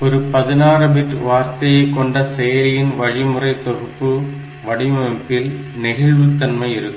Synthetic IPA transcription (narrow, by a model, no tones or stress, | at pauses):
ɔɾɯpɐðɪnaːrɯbɪʈʋaːɾt̪ɐjɐɪkːɔɳɖɐseːɾɪjɪnʋɐɻɪmɯrɐɪt̪ɔɣɯpːɯ | ʋɐɽɪmɐɛpːɪl | nɪɣɐɻʋɯt̪ːɐnmɐɪɪɾɯkː